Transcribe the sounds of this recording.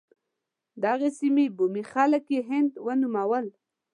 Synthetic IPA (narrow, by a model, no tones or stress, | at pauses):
d̪ɑɣesimebumixaləkjeɦɪnd̪wənumawəl